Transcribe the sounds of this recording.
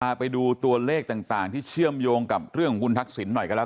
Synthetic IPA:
aː˧˩pa˧jduː˧t̪u˧ɐleː˥˩k̚t̪aː˨˩ŋt̪aː˨˩ŋt̪ʰiː˥˩t͡ɕʰɯ˥˩əmjoː˧ŋka˨˩p̚ɾɯ˥˩əŋhu˧˥nt̪ʰa˦˥k̚si˩˦nːɔ˨˩jkʰa˧˥l

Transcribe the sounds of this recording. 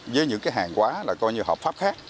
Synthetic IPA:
zəː˨˦jɲɨ̰˧˥ŋkaː˨˦jɦaː˨˩ŋkwaː˨˦laː˨˩kɔ˧jɲɨ˧ɦɔ̰ː˨˩p̚faː˦˥p̚xaː˦˥k̚

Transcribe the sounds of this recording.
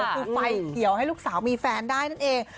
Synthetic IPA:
u˧fa˧jki˨˩˦əwha˥˩jluː˥˩k̚saː˩˦wmiː˧fɛː˧ndaː˥˩jna˥˩nʔeː˧ŋ

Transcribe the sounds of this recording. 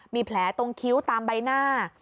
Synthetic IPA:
miː˧pʰlɛː˩˦t̪o˧ŋkʰi˦˥wt̪aː˧mba˧jnaː˥˩

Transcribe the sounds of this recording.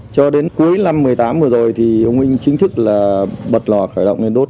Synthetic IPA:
t͡ɕɔ˧ɗe˨˦nku˨˦əjna˧mːɨ˨˩əjt̪aː˨˦mɨ˨˩əzo˨˩jt̪ʰi˨˩ʔə˧wŋ͡mʔï˧ŋ̟t͡ɕï˨˦ŋ̟t̪ʰɨ˦˥k̚laː˨˩ɓə˨˩t̚lɔ˨˩xəː˧˩jɗə̰˧˨wŋ͡mle˧nɗo˦˥t̚

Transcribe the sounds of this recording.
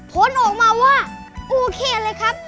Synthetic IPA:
pʰo˨˦nʔɔː˨˩k̚maː˧waː˥˩ | ʔoː˧kʰeː˧˩lɤː˧jkʰa˦˥p̚

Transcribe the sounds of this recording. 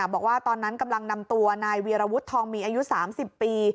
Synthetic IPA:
bɔː˨˩k̚waː˥˩t̪ɔː˧nːa˦˥nka˧mla˧ŋna˧mt̪u˧ɐnaː˧jwiː˧ɾaː˧wu˦˥t̪ʰːɔː˧ŋmiː˧ʔaː˧ju˦˥saː˩˦msi˨˩pːiː˧

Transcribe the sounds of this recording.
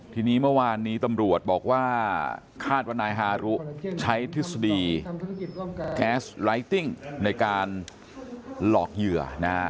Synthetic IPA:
t̪ʰiː˧niː˦˥mɯ˥˩waː˧nːiː˦˥t̪a˧mɾu˨˩ət̪̚bɔː˨˩k̚waː˥˩ | kʰaː˥˩t̪̚waː˥˩naː˧jɦaː˧ɾu˦˥ʔt͡ɕʰa˦˥jt̪ʰi˦˥sa˧diː˧ | kɛː˦˥sɾa˦˥jt̪i˥˩ŋna˧jkaː˧n | lɔː˨˩k̚jɯ˨˩əna˦˥

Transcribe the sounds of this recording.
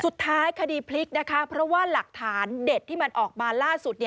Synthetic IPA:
su˨˩t̪ʰːaː˦˥jkʰa˧diː˧pʰli˦˥k̚na˦˥kʰa˦˥pʰɾɔ˦˥waː˥˩la˨˩k̚t̪ʰaː˩˦nde˨˩t̪ʰːiː˥˩ma˧nʔɔː˨˩k̚maː˧laː˥˩su˨˩t̪̚ni˥˩

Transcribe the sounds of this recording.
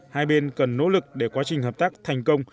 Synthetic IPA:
haː˧jɓe˧nkə˨˩nːo̰˧˥lɨ˨˩k̚ɗe˧˩kwaː˨˦t͡ɕï˨˩ŋ̟ɦəː˨˩p̚t̪aː˦˥k̚t̪ʰa˨˩jŋ̟kə˧wŋ͡m

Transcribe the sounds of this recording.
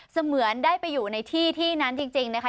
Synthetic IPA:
sa˧mɯ˨˩˦əndaː˥˩jpa˧jːuː˨˩na˧jt̪ʰiː˥˩t̪ʰiː˥˩na˦˥nt͡ɕi˧ŋt͡ɕi˧ŋna˦˥kʰa˦˥

